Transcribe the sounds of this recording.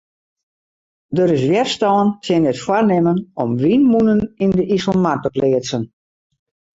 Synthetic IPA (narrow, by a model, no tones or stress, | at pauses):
dəɾɪsʋjɛrstɔːəntʰɪnətfwarnɪmənɔmʋinmunənindəʔisəlˠmartəplɪət͡sən